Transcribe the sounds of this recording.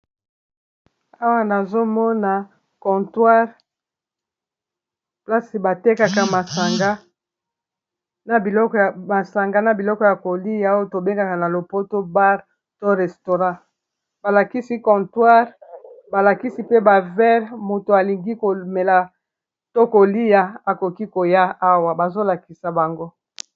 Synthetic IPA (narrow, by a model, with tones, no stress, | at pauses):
a˦wa˦na˨zo˦mɔ˦na˨ | kɔ̃˨twa˦ʁ | pla˦si˨ba˨te˦ka˨ka˨ma˨sa˨ŋɡa˦ | na˨i˨ɔ˦˨a˨sa˨ŋɡa˦na˨bi˨lɔ˦kɔ˦ja˨ko˨li˦ja˦o˦to˨be˦ŋɡa˨ka˨na˨lo˨po˦to˦ba˦ʁ | to˦ʁɛ˨sto˨ʁã˦ | ba˨la˨ki˦si˦kɔ̃˨twa˦ʁba˨la˨ki˦si˦pe˦ba˨vɛ˦ʁmo˨to˨a˨li˨ŋɡi˦ko˨me˨la˨ | to˦ko˨li˦ja˨a˨ko˨ki˦ko˨ja˦a˦wa˨ba˨zo˦la˨ki˨sa˨ba˨ŋɡo˦